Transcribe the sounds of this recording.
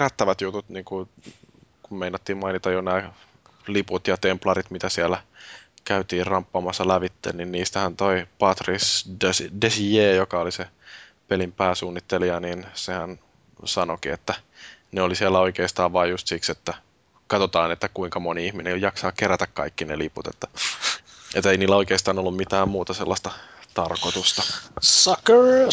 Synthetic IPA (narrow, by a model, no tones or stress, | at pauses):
ɑt̪ːɑʋɑt̪jut̪ut̪niːŋku | kummeinɑt̪ːiːmmɑinit̪ɑjjonæː | liput̪jɑt̪emplɑrit̪mit̪æsiælækæyt̪iːrrɑmpːɑːmɑsːɑlæʋit̪ːḛnninniːst̪æhænt̪oipɑt̪risdesdesijeːjokɑolise | pelimpæːsuːnːit̪ːeliɑniːnsehæn | sɑnokiet̪ːæneolisiælːæoikeːst̪ɑːʋʋɑːjust̪sikset̪ːæ | kɑt̪ot̪ɑːnet̪ːækuiŋkɑmoniihminejɑksɑːkeɾæt̪ækkɑ̰ikːineliput̪et̪ːæ | et̪ːeiniːlːæoikeːst̪ɑːnolːummit̪æːmmuːt̪ɑselːɑst̪ɑt̪ɑrkot̪ust̪ɑsɑkəɹ